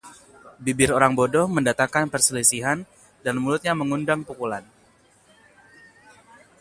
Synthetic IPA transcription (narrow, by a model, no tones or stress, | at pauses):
bibɪɾoɾaŋbodɔhməndat̪aŋkanpərsəlisiɦan | danmulʊt̪̚ɲaməŋundaŋpukulan